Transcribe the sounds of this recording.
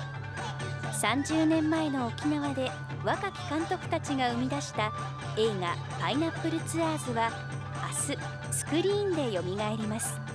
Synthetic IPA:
sãɲ̟d͡ʑɨːnẽ̞mːae̞no̞okʲinaβad̪e̞ | βakakʲi̥kãnt̪o̞kɯ̟̥t̪at͡ɕiɡaɯ̟mʲid̪aɕi̥t̪a | e̞ːŋa̰ | painapːɯ̟ɾɯ̟t͡sɨaːzɨβa | asɨ | sɨ̥kɯ̟ɾʲiːnd̪e̞jo̞mʲiɡae̞ɾʲimasɨ̥

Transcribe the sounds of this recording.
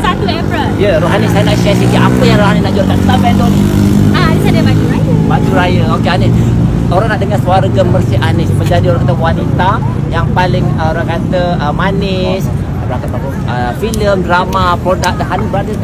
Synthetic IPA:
sat̪uɛpɾəljəɾoɦanɪsajənaʔʃɛsikiʔapəjaŋɾoɦaninaʔd͡ʒurkansambɛt̪oni | adisadebad͡ʒuɾajəbad͡ʒuɾajəokeanɪs | oɾaŋnaʔdəŋaswaɾəɡəmːərsiʔanɪsmə̃ɲd͡ʒadioɾaŋkat̪əwanit̪a | jaŋpalɪŋəoɾaŋkat̪əəmanɪs | bəɾat̪apat̪ə | ə | filəmdɾamapɾodak̚dəɦanibɾadə

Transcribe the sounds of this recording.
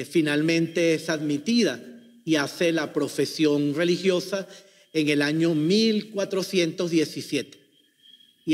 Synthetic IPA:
finalmẽnt̪e̞esaðmit̪iða | iase̞lapɾo̞fe̞sjo̞nre̞lixjo̞sa | eŋe̞laɲomilkwat̪ɾo̞sje̞nt̪o̞zðje̞sisje̞t̪e̥

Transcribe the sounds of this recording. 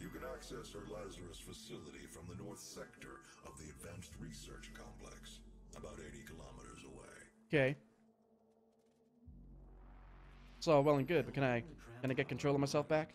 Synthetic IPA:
jɨkɨ̃næksɛshə˞læzə˞ɨsfɨsɪlˠəɾḭfɹʌ̃mðənɔɹθsɛk̚tə̰˞ʔʌvðiɨdvæ̃nst̚ɹisɜ̰˞t͡ʃkʰɑ̰̃mpʰl̥ɛ̰ksʔəbaʊɾeɪɾikʰəlɑ̰məɾə̰˞zə̰wḛɪ | kʰeɪ | tsɔlˠwɛlˠə̃nɡʊd̚bʌt̚kʰɨ̃naɪɡ̥ʌñɨɡɛt̚kntɹ̥oʊlˠʌvmaɪsɛlˠfb̥æk

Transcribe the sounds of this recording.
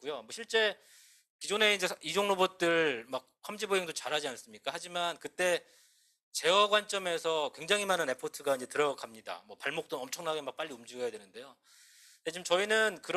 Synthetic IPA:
k͈ujomwʌɕʰiɭt͡ɕ͈e̞ | kid͡ʑone̞ind͡ʑe̞id͡ʑoŋnobot̚t͈ɯɭmak̚kʰamd͡ʑiboeŋdot͡ɕaɾɦad͡ʑians͈ɯmɲik͈ahad͡ʑimankɯt͈e̞ | t͡ɕe̞wʌɡwant͡ɕ͈ʌme̞sʰʌkwe̞ŋd͡ʑaŋɦimanɯne̞pʰotʰɯɡaind͡ʑe̞tɯɾʌkamɲida̰mwʌpaɭmok̚t͈onʌmt͡ɕʰʌŋnaɡemak̚p͈aʎːiumd͡ʑuɡʌjadwe̞nɯnde̞jo | et͡ɕimt͡ɕʌinɯnkɯɾ

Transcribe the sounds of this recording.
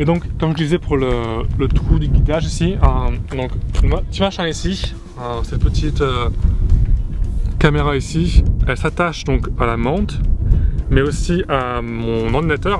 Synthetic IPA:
ed̪ɔ̃kːɔmʒəd̪izɛpuʁlələt̪χud̪yɡʲit̪aʒisiəd̪ɔ̃kmaət̪imaʃɛ̃isi | øsɛt̪̚pət̪ʰit̪ø | kameʁaisiɛlsat̪aʃd̪ɔ̃kalamɑ̃t̪ | mɛosiamɔ̃nɑ̃ʁd̪inat̪œʁ

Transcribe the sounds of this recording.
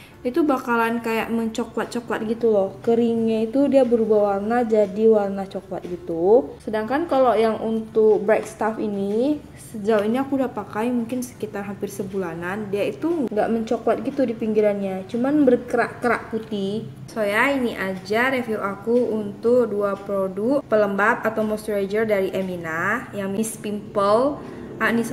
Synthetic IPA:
it̪ubakalankaja̰ʔməɲt͡ʃɔkwat̪̚t͡ʃɔkwat̪̚ɡit̪ulɔhkəɾiŋɲait̪udiabəɾubawalnad͡ʒadiwarnat͡ʃokwa̰t̪̚ɡit̪usədaŋkankalojaŋʔunt̪ʊk̚bɾɛkst̪afini | səd͡ʒawiniakudapakajmuŋkɪnsə̥kit̪arɦampɪrsəbulanandiait̪uŋɡa̰ʔməɲt͡ʃokwat̪̚ɡit̪udipiŋɡiɾanɲat͡ʃumanbərkəɾaʔkəɾaʔkut̪i | sojainiʔad͡ʒaɾefiuɾʔakuunt̪ʊk̚duapɾoduk̚pələmbat̪̚at̪awmɔst̪ɾad͡ʒərdaɾiʔeminajaŋmispimpəl | ʔanis

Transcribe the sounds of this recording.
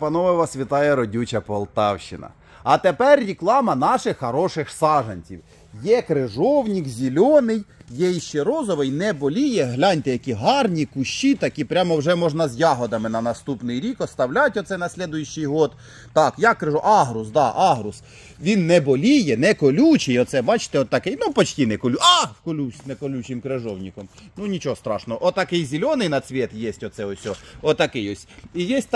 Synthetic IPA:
pɐnɔʋɪʋɐsʋʲit̪ɑjɛɾɔdʲut͡ʃɐpɔlˠt̪ɑwʃɪnɐ̰ | ɐt̪epɛrːʲiklˠɑmɐnɑʃɪxːɐɾɔʃɪxsɑʒɐnʲt͡sʲḭw | jɛkɾɪʒɔwnʲikzʲilʲɔnɪjjɛjʃt͡ʃɛɾɔzɔʋɪjnɛbɔlʲijɛɦlʲɑnʲt̪ɪjɐkʲiɦɑrnʲikʊʃt͡ʃːit̪ɐkʲipɾʲamɔwʒɛmɔʒnɐzjɑɦɔd̪ɐmɪnɐnɐst̪upnɪjɾʲikɔst̪ɐwlʲɑtʲɔt̪sɛnɐsʲlʲɛd̪ʊjʊʃːɪjɦɔt̪ | t̪ɑkjɑkːɾɪʒuʔɑɦɾʊsd̪ɑʔɑɦɾʊs | ʋʲinːɛbɔlʲijɛnɛkɔlʲut͡ʃɪjɔt̪sɛbɑt͡ʃɪ̥t̪ɛɔt̪ːɐkɪjnupɔt͡ʃtʲinɛkɔlʲuʔɑkɔlʲuwsʲnɛkɔlʲut͡ʃɪmkɾɪʒɔwnʲikɔmnunʲit͡ʃɔɦɔst̪ɾɑʃnɔɔʔɔt̪ɐkɪjzʲɪlʲɔnɪjnɐsʲʋʲɛt̪jesʲtʲɔt̪sɛɔsʲɔɔt̪ːɐkɪjɔsʲijɛsʲt̚ʲt̪

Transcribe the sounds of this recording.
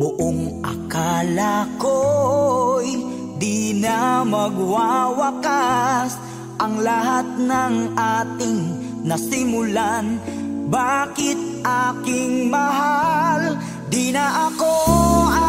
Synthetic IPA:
bʊʔoŋʔɐ̰kalako | j | d̪inamɐɡwawɐkas | ʔɐŋlaɦat̪̚nɐŋʔaːt̪ɪŋ | nɐsɪmʊlanbakɪt̪̚ʔaːkɪŋmɐɦal | d̪inɐʔɐko

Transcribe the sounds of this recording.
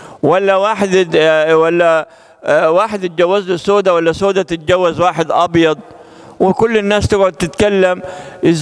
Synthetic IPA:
walːawaːħɪd̪walːa | waːħɪd̪ɪt̪̚d͡ʒawːazlɪsoːd̪awalːasoːd̪at̪ɪt̪̚d͡ʒawːazwaːħɪd̪ʔɑbjɑd̪ˤ | wɪkʊlːɪnːaːst̪aɡʕʊd̪̚t̪ɪt̪kalːamʔɪz

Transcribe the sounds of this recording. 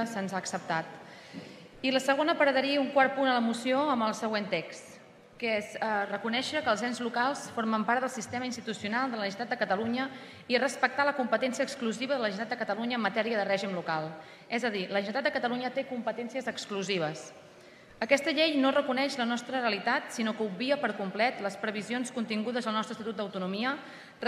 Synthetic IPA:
sənzaːksəp̚t̪at̪ | iləsəɣ̞onəpəɾəðəɾiuŋkwaɾt̪̚punələmusioəməlˠsəɣwent̪eks | kezərəkunɛʃəkəːlˠzɛnzlukalˠsfoɾməmpaɾt̪d̪əlˠsist̪eməinst̪it̪usiunalˠd̪ələnt̪at̪d̪əkət̪əluɲə | irəspək̚t̪aləkumpət̪ɛnsiəːkskluziβəðələʒənt̪at̪d̪əkət̪əluɲəːmːət̪ɛɾiəðərɛʒimlukalˠ | ɛzəðiləʒənt̪at̪d̪əkət̪əluɲət̪ekumpət̪ɛnsiəzəkskluziβ̞əs | əkɛst̪əʎejnorəkunɛʃlənɔst̪ɾəreəlit̪at̪sinokəubbiəpəɾkumplɛt̪ləspɾəβizionskunt̪iŋɡuðəzðəlˠnɔst̪ɾəst̪it̪ut̪d̪əwt̪unumiə

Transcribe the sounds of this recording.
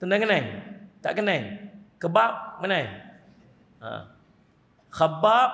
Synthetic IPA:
t̪əndaŋənajt̪a̰ʔkənajkəbap̚mənaj | a̰ | xabap̚

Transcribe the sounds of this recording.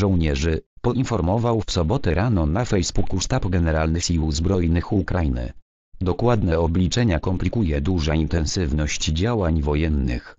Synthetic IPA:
ʐɔwɲɛʐɘ | pɔʔinfɔɾmɔvawfsɔbɔt̪ɛɾanɔnafɛjzbukuʂt̪apɡɛnɛɾalnɘxiwzbɾɔjnɘxukɾajinɘ̰ | d̪ɔkwad̪nɛɔblʲit͡ʂɛɲakɔmplʲikujɛd̪uʐaint̪ɛnsɘvnɔɕt͡ɕd͡ʑawaɲvɔjɛnːɘ̰x

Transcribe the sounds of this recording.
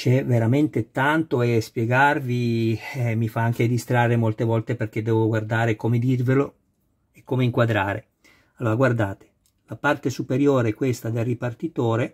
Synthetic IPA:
t͡ʃɛveɾament̪et̪ant̪oɛspjeɡarviɛmifaaŋk̟ed̪ist̪ɾarːemolt̪evɔlt̪eperk̟ed̪ːɛːvoɡward̪aːɾekomed̪irvelo | ekːomeiŋkwad̪ɾaːɾʔḛ | alːoːɾaɡward̪aːt̪e̥ | lapart̪esupeɾjoːɾeɛkwest̪ad̪elːipart̪it̪oːɾe

